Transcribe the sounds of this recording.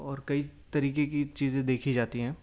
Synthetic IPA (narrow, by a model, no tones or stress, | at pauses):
ɔːɾkɐit̪ɐɾiːkekit͡ʃiːzẽd̪eːkʰid͡ʒaːt̪iɦɛ̃ː